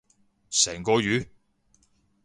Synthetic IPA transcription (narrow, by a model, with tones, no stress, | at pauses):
sɛː˨˩ŋkɔː˧jyː˨˥